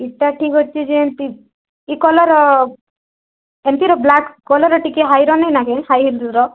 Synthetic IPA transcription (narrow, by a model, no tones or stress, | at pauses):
iʈaʈʰikɦɔtːt͡ʃʰid͡ʒeent̪i | ikɔlɔɾɔ | ent̪iɾɔblakkɔlɔɾɔʈikeɦajɾɔnejnakẽhajɦild̪ɾɔ